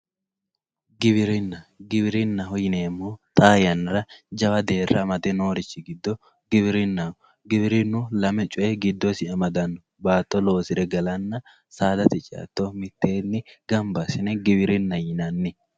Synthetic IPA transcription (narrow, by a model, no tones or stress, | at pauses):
ɡɪβɪɾɪnːɐɡɪbɪɾɪnːɐɦɔjɪneːmːoːt̪ʼaːjɐnɪɾɐd͡ʒɐwɐd̪e̞ːrːɐmɐd̪ɛnoːɾɪt͡ʃːɪɡɪd̪ːɔ | ɡɪbɪɾɪnːɐ | ɡɪbɪɾɪnːʊlɐmɛt͡ʃʼʊʔɛɡɪd̪ːɔsɪɐmɐd̪ɐnːɔ | baːt̪ːɔlo̞ːsɪɾɛɡɐlɐnːɐ | saːd̪ɐt̪ɪt͡ʃʼa̰t̪ːomɪt̪ːe̞ːnːɪɡɐmbɐsɪnɛɡɪbɪɾɪnːɐjɪnɐnːɪ